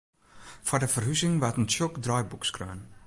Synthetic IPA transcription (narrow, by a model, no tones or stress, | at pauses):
fɔdəfərɦysɪŋʋatənsjɔkdrɔjbukskrø̰ːn